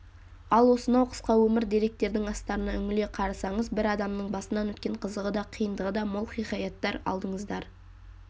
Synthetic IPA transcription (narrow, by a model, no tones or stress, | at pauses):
ɑlˠwo̞sənɑwqʰə̥sqɑwɵmɪɾd̪iɾe̞k̚t̪e̞ɾd̪ɪŋɑst̪ɑɾənɑʏŋɪle̞qʰɑɾɑsɑɴəzbɪɾɑd̪ɑmnəɴbɑsənɑnwɵt̪kʲe̞ɴqʰəzəʁəd̪ɑqʰijənd̪əʁəd̪ɑmolˠχiχɑjɑt̪ːɑɾɑ̰lˠd̪əɴəzd̪ɑɾ